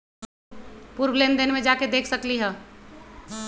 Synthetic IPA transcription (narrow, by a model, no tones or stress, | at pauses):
puɾblend̪enmẽd͡ʒaked̪ekʰsəkliɦɛ̃